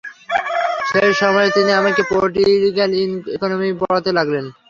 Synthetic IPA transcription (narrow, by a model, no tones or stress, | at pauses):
ʃeɾʃɔmɔet̪iniamaɾkepoʈiɾiɡalinikonomibɔɭat̪elaɡlen